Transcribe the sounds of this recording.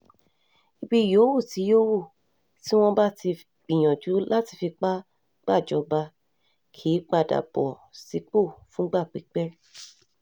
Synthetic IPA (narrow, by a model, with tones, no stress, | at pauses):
i˧bi˦jo˨˦wu˦˨ti˨˦jo˦wu˦˨ | ti˦w̃ɔ̃˦ba˦ti˧ | ɡ͡bĩ˨j̃ɔ̃˨d͡ʒu˨˦lʔa˦ti˧fi˧k͡pa˦ | ɡ͡ba˦˨d͡ʒɔ˧ba˧ | kʰi˨˦k͡pa˧da̰˨bɔ̰˨ | si˧k͡po˦˨fũ˨˦ɡ͡ba˦˨k͡pi˨˦k͡pɛ˦